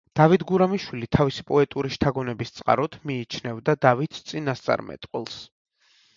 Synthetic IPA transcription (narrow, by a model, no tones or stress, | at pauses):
d̪̥avit̪ʰɡuɾamiʃwilit̪ʰavisi̥pʼɔɛt̪ʼuɾiʃt̪ʰaɡɔnɛbist̪sʼqʼa̰ɾɔt̪ʰmiːt͡ʃʰnɛvd̪ad̪avit̪ʰt̪sʼinast̪sʼa̰ɾmɛ̰t̪ʼqʼwɛ̰lˠs